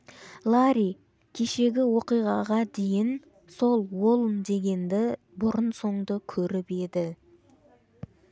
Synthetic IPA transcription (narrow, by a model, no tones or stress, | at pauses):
lˠaɾi | kʲʰe̞ʃe̞ɡʲɪwo̞qijʁɑʁɑd̪e̞jɪn | so̞lˠwolˠənd̪e̞ɡʲe̞nd̪ɪ | bʊɾənso̞ɴd̪əkʲʰɵɾɪpe̞d̪ɪ